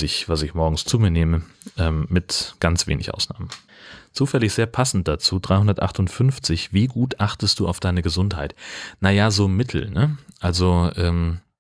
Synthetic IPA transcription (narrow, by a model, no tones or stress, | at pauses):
sɪçv̥asɪçmɔɐɡŋ̩st͡suːmiːɐneːmə | ʔɛːmːɪtɡ̥ant͡sv̥ḛːnɪçʔa̰ʊsna̰ːmən | t͡suːfɛlɪçz̥eːɐpʰasn̩t̚d̥at͡suːdʁaɪhʊndɐtʔa̰χtʊntfʏnft͡sɪçv̥iːɡuːtʔaχtəstd̥uːʔaʊfd̥aɪnəɡəzʊnthaɪtnajazoːmɪtʰl̩nəʔalzoʔɛːm